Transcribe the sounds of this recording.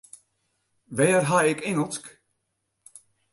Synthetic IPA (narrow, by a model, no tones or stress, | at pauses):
ʋɛːrɦaɪkeŋəlˠsk